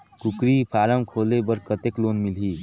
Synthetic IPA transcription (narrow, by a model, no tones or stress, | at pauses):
kukɾipʰaːɾəmkʰoːlebəɾkət̪ekloːnmilɦi